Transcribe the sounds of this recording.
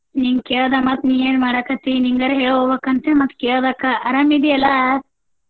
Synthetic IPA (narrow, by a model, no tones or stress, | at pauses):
niŋked̪ɐmɐt̪nieːnmaːɽɐkɐt̪iniŋɡɐɾeɦeɭoʋɐkɐnt̪emɐt̪ked̪ɐkaɐɾɐmid̪iɐlɐ